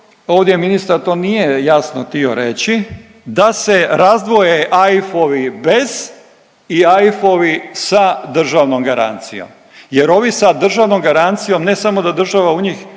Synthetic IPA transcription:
o̞ːʋd̪ʲjeminist̪aɾt̪o̞ːnije̞jasnot̪io̞̰ɾet͡ɕi | d̪ase̞ɾazd̪ʋo̞jeʔajfoʋibe̞z̥ | iajfo̞ʋisad̪r̩ʒaʋnomɡaɾa̰nt̪sijo̞̰m | jeɾo̞ʋisad̪r̩ʒaʋnomɡaɾant̪sijo̞mne̞samo̞d̪ad̪r̩ʒaʋauɲix

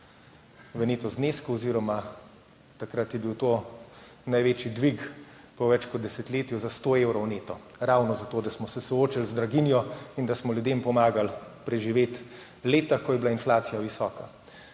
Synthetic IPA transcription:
ʋəneːt̪ɔzneːskuɔziɾɔma | t̪akɾat̪jɛbiwt̪oː | najʋeːt͡ʃjid̪ʋik | pɔʋɛt͡ʃkɔd̪̚d̪ɛsɛt̪leːt̪juzast̪oːewɾɔwneːt̪ɔ | ɾawnɔzat̪oːd̪asmɔsɛsɔoːt͡ʃilzd̪ɾaɡinjɔind̪asmɔlʲjud̪empɔmaːɡalpɾɛʒiʋeːt̪ | leːt̪akɔjɛblainflaːt̪sijaʋisɔːka

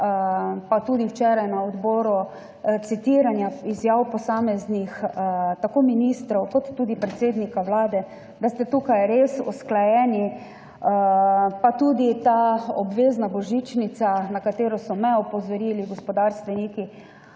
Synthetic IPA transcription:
pat̪uːd̪iwt͡ʃɛːɾajnaɔd̪bɔːɾu | t̪sit̪iɾanjaizjaːwpɔsaːmɛznixt̪akoːminist̪ɾɔwkɔt̪ːuːd̪ipɾɛt̪seːd̪nikaʋlaːd̪ɛ | d̪ast̪ɛt̪uːkajɾesɔ̰sklajɛːni | pat̪ud̪it̪aɔbʋeːznabɔʒit͡ʃnit̪sanakat̪eːɾɔsɔmɛɔpɔzɔɾiliɡɔspɔd̪aɾst̪ʋɛniːki

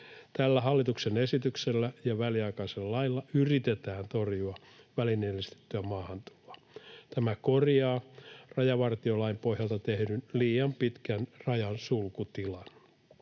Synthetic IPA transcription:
t̪ælːæhɑlːit̪uksenesit̪ykselːæjɑʋæliɑikɑiselɑlɑilːɑyrit̪et̪æːnt̪orjuɑ | ʋælinelist̪e̥t̪ːyæmɑːhɑnt̪u̥lo̥ɑ̥ | t̪æmækorjɑːrɑjɑʋɑrt̪iolɑimpohjɑlt̪ɑt̪ehɾynliːɑmpit̪kænrɑjɑnsulkut̪ilɑn

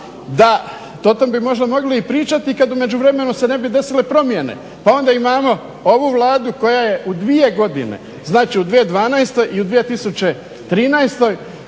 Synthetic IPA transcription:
d̪a | t̪ot̪ombimo̞ʒd̪amo̞ɡliipɾiːt͡ʃat̪ikad̪ume̞d͡ʒuʋɾe̞me̞nuse̞ne̞bid̪e̞silepɾo̞mje̞ne̞̰ | pao̞nd̪aimaːmo̞ | o̞ʋuʋlˠaːd̪uko̞jaje̞ʔud̪ʋie̞ɡo̞d̪ḭnḛ | znaːt͡ʃiud̪ʋije̞d̪ʋaːnajst̪o̞jʔiud̪ʋijet̪isut͡ʃe̞ | t̪ɾiːnajst̪o̞j

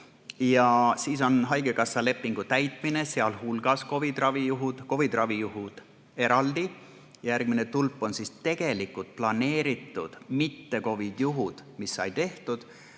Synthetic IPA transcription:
jɑsiːso̞nɦɑjɡ̥ekɑsːɑle̞pːˑiŋɡ̥ut̪æjt̪ˑmine̞seɑlhulɡ̥ɑsko̞vid̪rɑvijuɦud̪̥ko̞vid̪̥rɑvijuɦud̪̥ | e̞ɾɑld̪̥i | jɑjærɡ̥̚mine̞t̪ulpːˑo̞nsist̪e̞ɡ̥e̞likːˑult̪̚plɑne̞ːɾit̪ːˑud̪̥mit̪ːe̞ko̞vid̪̥juɦud̪̥misːɑ̰jt̪e̞ht̪ud̪̥

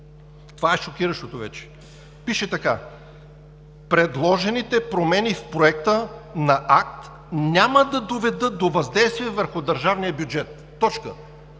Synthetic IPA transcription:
t̪ovaɛʃokʲiɾəʃt̪ot̪ovɛt͡ʃɛ̥ | piʃɛt̪ɐka̰ | pɾɛd̪lˠɔʒɛnit̪ɛpɾomɛnifpɾoɛk̚t̪ənɐʔak̚t̪ | nʲaməd̪ɐd̪ovɛd̪ɤt̪̚d̪ovɐzd̪ɛjst̪viɛvəɾxʊd̪ɐɾʒavnijəbjud͡ʒɛt̪ːɔt͡ʃkə̰

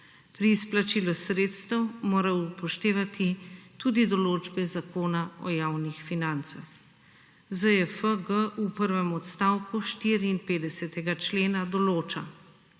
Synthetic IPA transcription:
pɾiːsplat͡ʃiːlɔsɾeːt̪st̪əwmoːɾaupɔʃt̪eːʋat̪ʰit̪uːd̪id̪ɔloːd͡ʒbɛzakoːnaɔ̰jaːwnixfinant̪sax | zəɛfəɡəʔupəɾʋɛmɔt̪st̪aːwkuʃt̪iːɾiːnpeːd̪ɛsɛt̪ɛɡat͡ʃleːnad̪ɔloːt͡ʃa

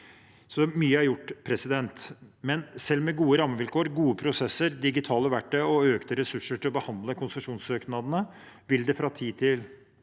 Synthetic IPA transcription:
sɔmyːəæɾjʊʈːpʰɾɛsɪd̪ɛnt̪mɛnsɛlːmɛɡuːəɾɑmːəʋɪlkʰoːəɾɡuːəpʰɾʊsɛsːəɾd̪ɪɡɪt̪ʰɑːləʋæʈːəɔøːkt̪əɾɛsʉʂːəʈʰɪlɔbəhɑnd̪ləkʰʊnsəʂuːnsøːknɑd̪ənə | ʋɪld̪ɛfɾɑt̪ʰiːt̪ʰɪl

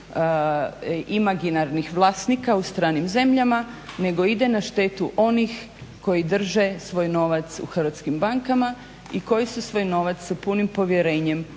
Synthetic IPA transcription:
imaɡinaɾnixʋlˠaːsnikaust̪ɾaːnimze̞mʎama | ne̞ɡo̞id̪e̞naʃt̪e̞ːt̪uʔo̞nix | ko̞jid̪r̩ʒesʋo̞ːjno̞ːʋat̪sṵxr̩ʋat̪skimbaŋkama | iko̞jisusʋo̞ːjno̞ːʋat̪sːapunimpo̞ʋje̞ɾe̞ːɲe̞m

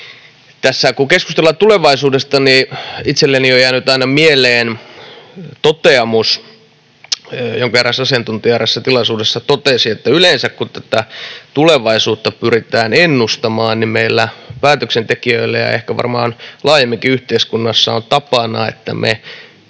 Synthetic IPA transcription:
t̪æsːækukeskust̪elːɑtt̪uleʋɑisuːdest̪ɑniit̪selːeniojæːnyt̪ɑinɑmieleːn | t̪ot̪eɑmus | joŋkɑerːɑsɑsijɑnt̪unt̪iɑresːæt̪ilɑsuːdesːɑt̪ot̪esiet̪ːæylensækkut̪æt̪æt̪uleʋɑisuːt̪ːɑpyrit̪æːnenːust̪ɑmɑːnnimmeilːæpæːt̪øksent̪ekiøilːejɑ̰ḛhkæʋɑ̰rmɑːnlɑːjemːiŋkiyht̪eiskunːɑsːɑ̰ont̪ɑpɑnɑ̰ḛt̪ːæ̰mʔḛ

